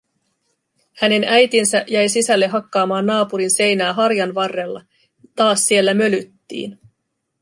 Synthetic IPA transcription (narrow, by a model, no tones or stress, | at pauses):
hæne̞næjt̪insæʔjæjsisælːeɦɑkːɑːmɑːnːɑːpuɾinse̞jnæːɦɑɾjɑnʋɑrːe̞lːɑ̰ | t̪ɑːsːie̞lːæmø̞lyt̪ːḭːn